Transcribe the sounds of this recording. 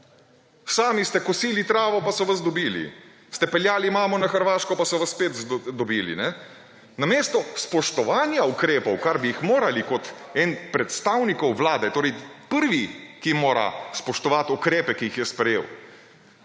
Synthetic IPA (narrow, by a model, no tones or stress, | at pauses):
saːmist̪ɛkɔsiːlit̪ɾaːʋɔpasɔʋazd̪ɔbiːlḭ | st̪ɛpɛljaːlimaːmɔnaxəɾʋaːʃkɔpasɔʋasspeːt̪zd̪ɔbiːlḭnɛ | nameːst̪ɔspɔʃt̪ɔʋaːnjaukɾeːpɔwkaɾbiixmoːɾalikɔt̪ɛnpɾɛt̪st̪awnikɔwʋlaːd̪ɛt̪oːɾɛjpəɾʋikimoːɾa̰spɔʃt̪ɔʋat̪ukɾeːpɛkiixjɛspɾɛjḛːw